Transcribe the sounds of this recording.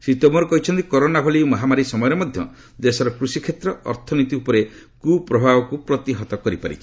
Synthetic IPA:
sit̪ɔmɔɾɔkɔɦit͡ʃʰɔnt̪ikɔɾonabʱɔlimɔɦamaɾisɔmɔjɔɾemɔd̪ʱjɔ̰ | d̪esɔɾɔkɾusikʰet̪ɾɔɔ̰ɾt̪ʰɔnit̪iupɔɾe | kupɾɔbʱabɔkupɾɔt̪iɦɔt̪ɔkɔɾipa̰ɾḭt͡ʃʰi̥

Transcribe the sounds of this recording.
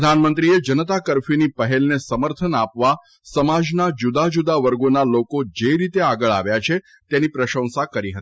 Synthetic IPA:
əd̪ʱanmənt̪ɾied͡ʒənət̪akəɾfinipəɦelnesəməɾt̪ʰənapʋa | səmad͡ʒnad͡ʒud̪ad͡ʒud̪aʋəɾɡonalokod͡ʒeɾit̪eaɡəɭa̰ʋjat͡ʃʰe | t̪enipɾəʃə̃w̃sakəɾiɦət̪i

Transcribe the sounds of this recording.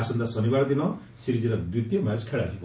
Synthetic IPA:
sɔnd̪asɔnibaɽɔd̪inɔ | siɾid͡ʒiɾad̪it̪jɔmaskʰeɭasʰipɔ

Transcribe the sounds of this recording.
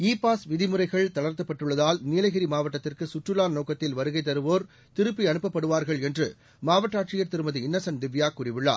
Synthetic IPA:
iːpːaːsʋɪðɪmɯɾɐɪɣɐɭt̪ɐɭɐɾt̪ɐpːɐʈːɯɭːɐðaːlniːlɐɣɪɾimaːʋɐʈːɐt̪ːɪrkɯsʊʈrɯlaːnnoːkɐt̪ːɪlʋɐɾɯɣɐɪt̪ːɐɾɯʋoːɾ | t̪ɪɾɯpːiɐnɯpːɐpːɐɽɯʋaːɾɣɐɭɛndrɯ | maːʋɐʈːaːʈrɪjɐɾt̪ɪɾɯmɐðɯɪnːɐsɐnd̪ɪʋjaːkːuːrɪʋɪɭːa̰ː

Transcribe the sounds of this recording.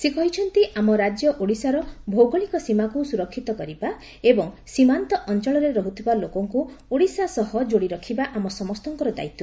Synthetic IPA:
sekɔɦit͡ʃʰɔnt̪iʔamɔɾad͡ʒjɔʔoɽisaɾɔbʱowɡɔɭikɔsimakusuɾɔkʰːit̪ɔkɔɾiba | ebɔŋsimant̪ɔʔɔnt͡ʃɔɭɔɾeɾɔɦut̪ʰibalokɔŋku | oɽisasɔɦɔd͡ʒoɽiɾɔkʰibaʔamɔsɔmɔst̪ɔŋkɔɾɔd̪a̰jt̪u

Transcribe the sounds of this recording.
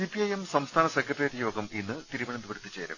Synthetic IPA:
ipiɐjemsɐmst̪ʰaːnɐsekːrɐʈreːʈjo̞ːɡɐminːɨt̪iɾuʋɐɳɐnd̪upɐɽut̪ːɨt͡ɕːe̞ːɾɐ̰m

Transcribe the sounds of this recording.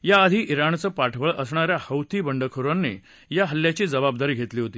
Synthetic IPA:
jaːd̪ʱiːʔiɾant͡səːpaʈʰʋəɭəsɳaɾjahəwt̪iːbəɳɖəkʰoɾanːḛ | jaɦəlːjat͡ɕiːd͡zəbab̚d̪aɾiːɡʱet̪liːɦot̪iː

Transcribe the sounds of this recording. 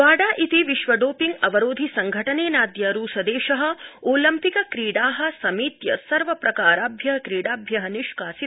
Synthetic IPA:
aːɽaːʔit̪iʋiʃʋɐɖoːpiŋɡɐʋɐɾoːd̪ʱisɐŋɡʱɐʈɐneːnaːd̪jɐɾuːsɐd̪eːʃɐɦɐ̆oːlɐmpikɐkɾiːɽaːɦɐ̆sɐmiːt̪jɐsɐɾʋɐpɾɐkaːɾaːbʱjɐɦɐkɾiːɽaːbʱjɐɦɐniʂkaːsi

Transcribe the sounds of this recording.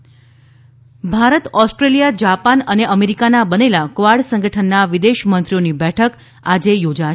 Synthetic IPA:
bʱaɾət̪ɔsʈɾelijad͡ʒapanəneʔəmeɾikanabənelakʋaɾɖsə̃ŋɡəʈʰənːaʋid̪eʃmənt̪ɾionibɛʈʰək | ad͡ʒejod͡ʒa

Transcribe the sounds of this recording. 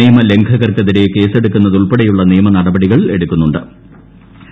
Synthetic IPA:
iːmɐle̞ŋɡʱɐɣɐrkɐðiɾe̞ke̞ːse̞ɽukːunːɐðuɭpeɽɐjuɭːɐniːmɐnɐɽɐbɐɽiɣɐɭe̞ɽukʲːunːuɳɖɨ

